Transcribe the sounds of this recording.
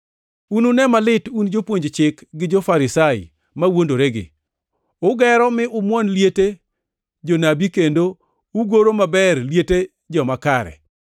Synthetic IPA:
ununɛmalɪtund͡ʒopwoɲd͡ʒt͡ʃɪkɡɪd͡ʒofaɾɪsaɪ̰ | mawondoɾeɡɪ̰ | ʊɡɛɾɔmɪʔʊmwɔnljete | d͡ʒonabikendo | uɡoɾomabɛrljete | d͡ʒɔmakaɾɛ̰

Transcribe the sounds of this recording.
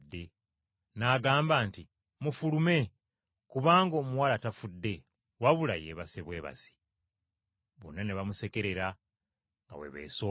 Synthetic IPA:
dːe̞ | naːɡaːmbaːnti | mufulume̞ | kuβaːŋɡo̞ːmuwalatafudːe̞ | waβulajeːβaseβwe̞ːβa̰si̥ | βo̰nːaneβamuse̞ke̞ɾe̞ɾa | ŋɡa̰wḛβḛːso

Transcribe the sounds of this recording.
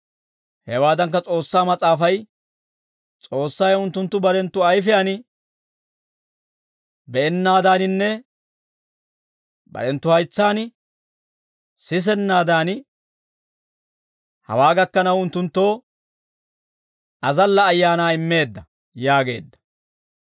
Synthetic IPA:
hɛwaːd̪ɐŋk̬ːɐt͡sʼo̞ːsːaːmɐt͡sʼaːfɐj | t͡sʼo̞ːsːɐːjʊnt̪ːʊnt̪ːʊbɐɾɛnt̪ːʊɐjfɪjaːn | bɛɛnːaːd̪aːnɪnːɛ | bɐ̰ɾɛnt̪ːʊhɐjt͡sːaːn | sɪs̬ɛnːaːd̪aːn | hɐ̰waːɡɐkːɐnɐwʊnt̪ːʊnt̪ːo̞ː | ɐzɐlːɐːjːaːnaːɪmːe̞ːd̪ːɐ | jaːɡe̞̰ːd̪ːɐ̥

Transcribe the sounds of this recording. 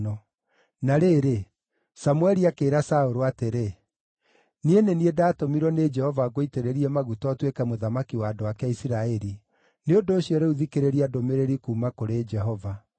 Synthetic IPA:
ɔ | naɾeːɾe | samuɛɾiakeːɾasaoɾoateɾe | nieneniedaːtomiɾwɔned͡ʒɛhɔvaɡoiteɾeɾiɛmaɣutɔtwekɛmoðamakiwaːdoakɛisiɾaɛɾi | neondoːɕiɔɾeuðikeɾeɾiadomeɾeɾikuːmakoɾed͡ʒɛɦɔva

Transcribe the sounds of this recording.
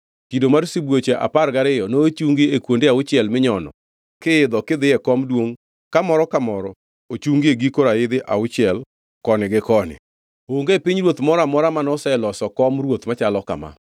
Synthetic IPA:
kidomaɾsibwot͡ʃeʔa̰parɡaɾɪjɔnoːt͡ʃuŋɡiekwondeaʊt͡ʃɪɛlmɪɲɔnɔ̰ | kɪɪd̪ɔkɪd̪ɪjɛkɔmdwoŋ | kamɔɾɔkamɔɾɔ | ot͡ʃuŋɡieɡikoɾaɪd̪ɪʔaʊt͡ʃɪɛl | kɔnɪɡɪkɔnɪ̰ | oŋɡepiɲɾwot̪mɔɾamɔɾamanɔsɛlɔsɔkɔmrwot̪mat͡ʃalɔka̰ma̰

